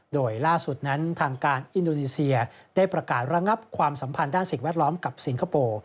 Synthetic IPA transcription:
doː˧jlaː˥˩su˨˩t̪̚na˦˥nt̪ʰaː˧ŋkaː˧nʔi˧ndoː˧niː˧si˧ɐdaː˥˩jpɾa˧kaː˨˩t̪̚ɾa˧ŋa˦˥p̚kʰwaː˧msa˩˦mpʰa˧ndaː˥˩nsi˨˩ŋwɛ˥˩t̪̚lɔː˦˥mka˨˩p̚si˨˩˦nkʰa˧poː˧

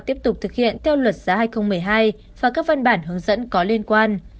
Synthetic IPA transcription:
t̪i˦˥əp̚t̪ʊ˨˩k͡p̚t̪ɨ˨˩k̚hḭ˧˨ənt̪ʰɛ˧wlwə˨˩t̚z̥aː˨˦haː˧jxə˧wŋ͡mmɨ˨˩əjɦaː˧j | vaː˨˩kaː˦˥k̚və˧nɓaː˧˩nhɨ˨˦əŋzə̰˧˥nkɔ˨˦li˧ənkwaː˧n

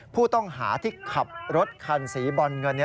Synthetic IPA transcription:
pʰuː˥˩t̪ɔ˥˩ŋɦa̰ː˩˦t̪ʰiː˥˩kʰa˨˩p̚ɾo˦˥t̪̚kʰaː˧nsiː˩˦bɔ˧nŋɤ˧nː˦˥

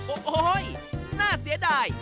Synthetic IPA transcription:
o˨ʔo˧˦jnaː˧˩si˨˦əɗaː˧˩j

